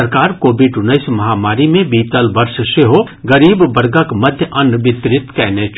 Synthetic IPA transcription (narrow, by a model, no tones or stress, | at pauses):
əɾkaːɾkoːbɪɖʊnːəɪsmɐɦaːmaːɾimẽbiːt̪əlbɐɾʃseɦo | ɡɐɾiːbːɐɾɡəkmɐd̪ʱjəʔɐnʋɪt̪ɾɪt̪kɛːnet͡ʃʰ